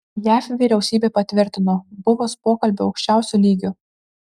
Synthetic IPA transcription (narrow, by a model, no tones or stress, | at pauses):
jæːfʲʋʲiːɾʲɛʊsʲiːbʲeːpɐt̪ʲʋʲɪɾʲt̪ʲɪnoːbʊʋoːspoːkɐlʲbʲʊɐʊkʃʲt͡ʃʲæˑʊsʲuːlʲiːɡʲʊ